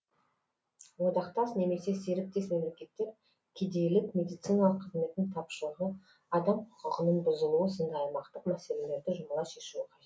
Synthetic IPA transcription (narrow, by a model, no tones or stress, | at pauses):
wod̪ɑqt̪ɑsne̞me̞se̞se̞ɾɪk̚t̪e̞sme̞mle̞kʲe̞t̪ːe̞ɾ | kʲʰed̪e̞jlɪkmʲe̞d̪ijt̪sɨjnɑlˠəqːʰəzme̞t̪ːɪŋt̪ʰɑpʃəlˠʁə | ɑd̪ɑmqʰʊ̥qʊʁənəɴbʊzəlˠuəsend̪ɑjmɑqt̪əqmæse̞le̞le̞ɾd̪ɪʒʊmlˠɑʃe̞ʃuɪqʰɑʒet̪